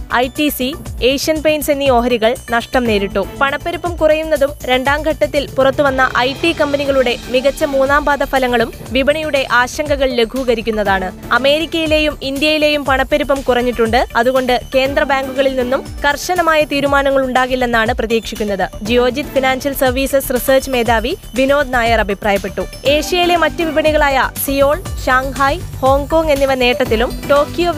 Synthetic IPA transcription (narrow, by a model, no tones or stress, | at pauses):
ɐjʈisiejʂɐnpejnse̞nːio̞ːɦɐɾiɣɐɭnɐʂʈɐmne̞ːɾiʈːupɐɳɐpːɐɾupːɐmkurɐjunːɐðumɾe̞ɳɖaːmɡʱɐʈːɐt̪ːilpurɐt̪ːuʋɐnːɐʔɐjʈːikɐmbɐniɣɐɭuɽe̞miɣɐt͡ɕːɐmuːnaːmbaːd̪ɐfɐlɐŋːɐɭum | ʋibɐɳɐjuɽe̞ʔaːɕɐŋɡɐɣɐɭle̞ɡʱuɣɐɾikʲːunːɐðaːɳɨ | ɐme̞ːɾikʲːɐjile̞ːjumind̪jɐjile̞jumpɐɳɐpːeɾupːɐmkurɐɲːiʈːuɳɖɨɐðuɣo̞ɳɖɨke̞ːnd̪ɾrɐbaːŋɡuɣɐɭilninːumkɐrɕɐnɐmaːjɐt̪iːɾumaːnɐŋːɐɭuɳɖaːɣilːe̞nːaːɳɨprɐðiːkʂikʲːunːɐðɨd͡ʑijo̞ːd͡ʑit̪finaːnsɐlsɐrʋiːsesrisɐːrt͡ɕːɨme̞ːd̪aːʋi | ʋino̞ːd̪naːjɐrɐbʱipraːjɐpːe̞ʈːu | e̞ːʂijɐjile̞mɐtːɨʋibɐɳiɣɐɭaːjɐsijo̞ːɭɕaːŋhaːjho̞ːŋko̞ːŋɡe̞nːiʋɐne̞ːʈːɐt̪ːilumʈo̞ːkːjoː